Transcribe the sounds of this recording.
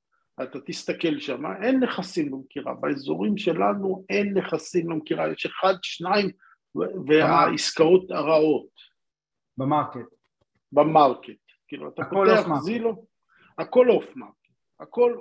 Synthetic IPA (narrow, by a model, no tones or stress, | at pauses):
at̪at̪ist̪ake̞lʃama̰ʔe̞nːe̞χasimbemkiʁa̰baezoʁimʃe̞lanue̞nːeχasimlemkiʁajeʃe̞χad̪ʃnaim | veaiskao̞t̪aʁao̞t̪ | k | bamaʁket̪ | kiːluat̪apoeaχzilo | ako̞lofmaʁket | ako̞l